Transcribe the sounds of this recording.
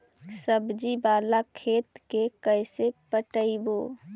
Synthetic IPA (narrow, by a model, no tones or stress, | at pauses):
səbd͡ʒibaːlakʰeːt̪kekəɪsepəʈəiboː